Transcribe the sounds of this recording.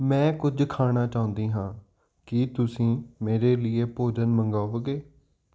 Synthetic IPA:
mɛ̃ːkʊd͡ʒkʰaːɽaːt͡ʃaːʊ̃nd̪iːɦãː | kɪt̪ʊsĩːmeːɾeːlɪeːpoːd͡ʒənməŋɡaːʋɡeː

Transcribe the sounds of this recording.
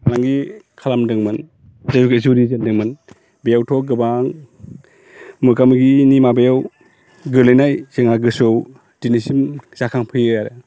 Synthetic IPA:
alaŋɡikʰalamdɯŋmɯn | zazukezuɾizendɯŋmɯn | bejawtʰɔɡɯbaŋ | mɯkamɯɡinimabejaw | ɡɯɾlajnajzeŋaɡɯsow | dinisimz̥akʰaŋpʰɯjjaɾe

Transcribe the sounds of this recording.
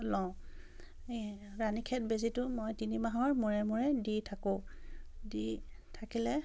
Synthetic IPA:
lɔ̃ | ɹanikʰɛt̚bezitʊmojtinimaɦɔɹmuɹɛmuɹɛditʰakõ | di | tʰakilɛ

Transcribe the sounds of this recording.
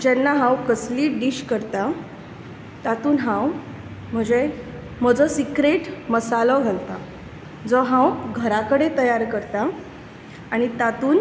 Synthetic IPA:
d͡ʑanːaɦãwkəsliːɖiɕkəɾt̪a | t̪at̪uːnɦãw | m̤əɳd͡ze | m̤əd͡zɔsikɾeʈməsalɔɡʱalt̪a | d͡zɔɦãwɡʱəɾakəɽet̪əjaɾkəɾt̪aː | ɽ̃it̪at̪uːn

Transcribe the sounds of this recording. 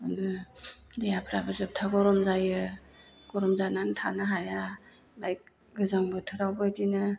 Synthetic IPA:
adɯdejapʰɾabɯzɯp̚tʰaɡɔɾɔmzajɯ | ɡ̥ɔɾɔmzanantʰanaɦaja | bajk̚ | ɡɯzaŋbɯtʰɯɾawbɯjdinɯ

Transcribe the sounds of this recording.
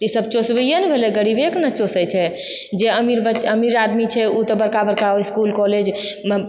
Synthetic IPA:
t̪isəb̚t͡ʃosbijənbʱelɛɡəɽibeknət͡ʃosəjt͡ʃʰɛ | d͡ʒeəmiɾbəəmiɾad̪mit͡ʃʰɛut̪əbəɾkabəɾkaoiskulkɔled͡ʒ

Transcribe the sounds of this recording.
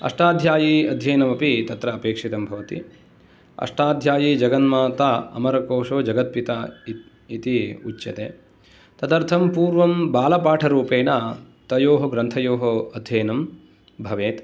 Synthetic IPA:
ɐ̰ʂʈaːd̪ʱjaːjiɐd̪ʱjɐjnɐmɐpit̪ɐt̪ɾɐːpeːkʂit̪ɐmbʱɐʋɐt̪i | ɐ̰ʂʈaːd̪ʱjaːjid͡ʒɐɡɐnmaːt̪aɐ̰mɐɾɐkoːʂoːd͡ʒɐɡɐt̪̚pit̪a | it̪iṵt͡ʃːjɐt̪ḛː | t̪ɐd̪ɐɾt̪ʰɐmpuːɾʋɐmbaːlɐpaːʈʰɐɾuːpeːɳa | t̪ɐjoːɦɐɡɾɐnt̪ʰɐjoːɦoɐd̪ʱjɐjnɐm | bʱɐʋeːt̪

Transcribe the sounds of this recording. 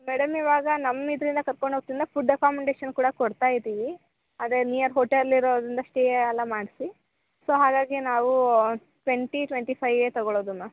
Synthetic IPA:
mɛɽɐmiʋaːɡɐnɐmːid̪ɐɾind̪ɐkɐɾkoɳɖoːk̚t̪ind̪ɐpuɖekaːmeɳɖeːʃɐnkuːɽɐkɔɽt̪aːjd̪iːʋi | aːd̪ɾenijɐɾɦoːʈelliɾoːd̪ɾind̪ɐʂʈeeɐlːɐmaːɽsi | so̞ːɦaːɡaːɡinaːʋu | ʈʋeɳʈiʈʋeɳʈipʰɐjʋeːt̪ɐɡoɭoːd̪umaː

